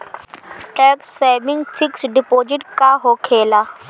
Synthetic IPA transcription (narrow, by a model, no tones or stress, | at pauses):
ʈɛːkssɛːmɪ̃ŋɡfɪksɖɪpoːd͡ʒɪʈkaːɦoːkʰeːlaː